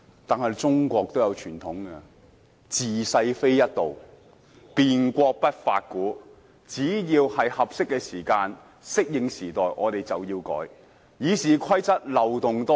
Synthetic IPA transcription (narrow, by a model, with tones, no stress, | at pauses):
t̪aː˨nhɐ˨jt͡sʊ˥ŋkʷɔː˧k̚t̪o˥wjɐ˨˧wt͡ʃʰyː˨˩nt̪ʰʊ˨˥ŋkɛ˧ | t͡siː˨sɐ˧jfe˥jjɐ˥t̚t̪o˨˩w | piː˨nkʷɔː˧k̚pɐ˥t̚fa̰ː˧t̚kuː˨˥ | t͡siː˨˥jiː˧whɐ˨jhɐ˨p̚sɪ˥kːɛː˧siː˨˩kaː˧n | sɪ˥k̚jɪ˨˧ŋsiː˨˩t̪ɔː˨jʔɔ̰ː˨˧t̪e˨˩jt͡sɐ˨wjiː˧wkɔ̰ː˨˥j | jiː˨˧siː˨˩kʰɐ˥jt͡sɐ˥t̚lɐ˨˩wt̪ʊ˨ŋt̪ɔː˥